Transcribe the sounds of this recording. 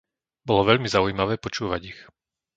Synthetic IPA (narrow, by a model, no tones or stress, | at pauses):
bɔlɔʋɛʎmizaujmaʋɛːpɔt͡ʃuːʋaɟix